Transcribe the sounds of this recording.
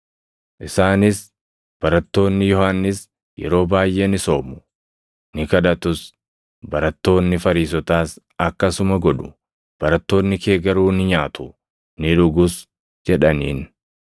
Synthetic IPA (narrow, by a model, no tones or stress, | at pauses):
ʔɪsaːnɪs | b̥ɐɾɐt̪ːo̞ːnːɪjɔhanːɪs | jɛ̰ɾo̞ːbaːjʔe̞ːnɪso̞ːmʊ̥ | nɪkɐᶑɐt̪ʊs | bɐɾɐt̪ːo̞ːnːɪfɐɾiːs̬ɔt̪aːs | ɐkːɐsʊmɐɡɔᶑʊ̥̰ | b̥ɐɾɐt̪ːo̞ːnːɪke̞ːɡɐɾuːnɪɲaːt̪ʊ̥ | nɪɾʊɡʊs | d͡ʒɛᶑɐniːn